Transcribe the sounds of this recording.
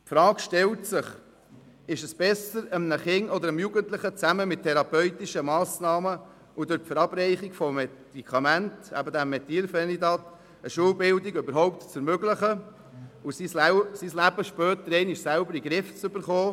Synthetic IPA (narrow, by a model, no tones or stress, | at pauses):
tfɾɑːkʃtɛltsɪχ | ɪʃəsb̥ɛsəɾəmnəχɪŋɔd̪əɾəmjuɡəntləχət͡sæməmɪt̚ʰːɛɾɑpœʏt̪iʃəmɑːsnɑːmə | ʔʊd̪ʊɾtfəɾɑb̥rɛɪχikfɔmɛd̪̥ikʰɑmæntæ̰bəd̪æmːɛt̪iːlfɛnid̪ɑt̪ | əʃuːwbɪld̪iɡøbəɾɦɔʊp̚t̪t͡sɛɾmøɡləχə | ʊsissislæbəʃpœːt̪əɾɛɪnɪʃsælbəɾiɡɾɪft͡sʏbəɾχoː